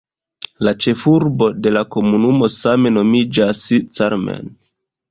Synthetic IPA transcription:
lat͡ʃe̞fuɾbo̞de̞lako̞munumo̞same̞no̞mid͡ʒasit͡saɾmḛn

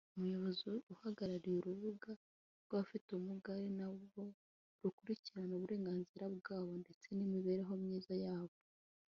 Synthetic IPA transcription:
umujo̞βo̞ziuhaɡaɾaɾijuɾuβuɡa | ɾɡβafitumuɡaɾinaβɡo̞ | ɾukuɾiciɾanoβuɾe̞ːŋɡaːnziɾaβɡaːβo̞nde̞t͡se̞nimiβe̞ːɾeɦo̞mɲiːzajaːβo

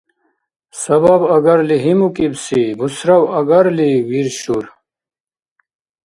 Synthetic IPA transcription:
sɐbɐbɐɡɐɾliɦimukibsibusɾɐwɐɡɐɾliwiɾɕuɾ

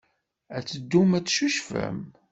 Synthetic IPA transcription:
æt͡sːəd̪ːumæt͡sːʃuʃfæ̰m

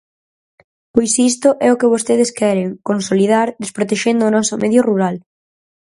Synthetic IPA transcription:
pojsist̪ʊʔɛʊkɪβ̞ost̪eð̞ɪskɛɾeŋkonsoliðaɾd̪espɾot̪eʃend̪ʊːnɔsʊmɛðjʊruɾal

